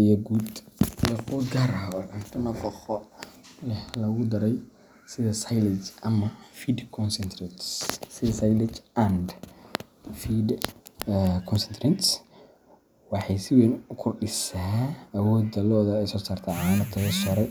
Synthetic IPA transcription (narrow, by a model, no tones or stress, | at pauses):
ijɔɡuːd̪jɐqɔd̪ɡaɾɐɔːʕɐnt̪ʰɐnɐqɔχɔlɛhlɐɣʊd̪ɐɾɛj | sɪðɐsɐjlɪt͡ʃʔɐmɐfiːd̪kʰɔnsɛnt̪ʰrɛt̪ssɪðɐsɐjlɪt͡ʃɐnd | fid | kʰɔnsɛnt̪ʰɾɛnt̪s | wɑħɑjsɪwɛnʊkʰʊrɖɪsaːɐwɔːd̪ɐlɔːðɐɛjsɔːsaːrt̪ʰɛʕanɐt̪ʰɐwɐsɔɾɛj